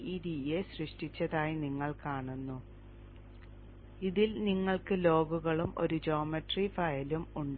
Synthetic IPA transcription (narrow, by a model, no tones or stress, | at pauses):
iːɾiːjeɕrɨʂʈit͡ɕːɐðaːjiniŋːɐɭkaːɳunːu | iðilniŋːɐɭkɨlo̞ːɡuɣɐɭumʔo̞̰ɾud͡ʑo̞ːmɐʈrifɐjɐlumuɳɖ